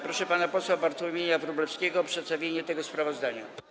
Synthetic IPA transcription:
pɾɔʂɛpanapɔswabaɾt̪wɔmʲjeɲavɾublɛfskʲeɡɔːpʂɛt̪st̪avʲjeɲɛt̪ɛɡɔspɾavɔzd̪aɲa̰

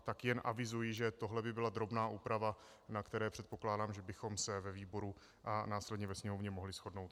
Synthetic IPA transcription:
t̪akjɛnʔa̰vɪzujɪʒɛt̪oɦlɛbɪbɪlad̪ɾo̞bnaːʔuːpɾava | nakt̪ɛɾɛːpr̝̥ɛt̪po̞klaːdaːmʒɛbɪxo̞msɛvɛviːbo̞ɾu | ʔanaːslɛdɲɛvɛsɲɛmovɲɛmoɦlɪsxo̞dno̞wt̪

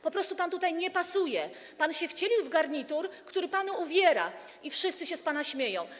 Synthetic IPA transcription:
pɔpɾɔst̪upant̪ut̪ajɲɛpasujɛ | panɕɛft͡ɕelʲiwvɡaɾɲit̪uɾkt̪uɾɘpanuuvʲjɛɾa | ifʂɘst̪sɘɕɛspanaɕmʲjejɔ̃w̃

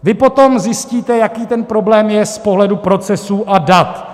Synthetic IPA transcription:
vɪpo̞t̪o̞mzjɪsciːt̪ɛjakiːt̪ɛnpɾo̞blɛːmjɛspo̞ɦlɛdupɾo̞t͡sɛsuːʔadat̪

